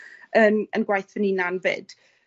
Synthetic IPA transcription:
ənənɡwajθvəniːnanvɨ̰ːd̥

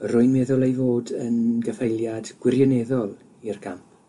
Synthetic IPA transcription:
rʊɨnmɛðʊlˠejvoːdənɡəfejlˠjadɡ̥wɪrjɔnɛðɔlˠ | irkʰamp̚ʰ

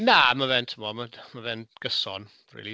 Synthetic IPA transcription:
namavɛntʰəmɔmamavɛnɡ̥əsɔn | rḭːlˠi

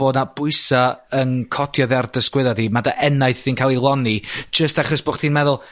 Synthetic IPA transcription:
oːdnab̥ʊɨsaənkʰɔdjɔðardəskwɪðadimadaʔɛnajθiːnkʰaːlˠilˠɔni̥d͡ʒəstaχɔsb̥oːχtʰiːnmɛðʊlˠ

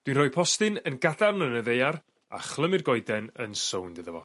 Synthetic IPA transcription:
d̥winrɔːpʰɔstɨnənɡadarnənəðejar | a̰χlˠəmɪrɡɔjdɛnənsowndɨðəvɔ̰

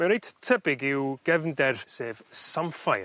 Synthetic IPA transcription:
mɛwɾejttʰəbɪɡɪwɡ̥ɛvndɛrseːv̥samfaj

